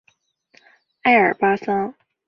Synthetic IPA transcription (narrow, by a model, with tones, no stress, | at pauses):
a˥ɪə̰˞˨˩pa˥sɑ˥ŋ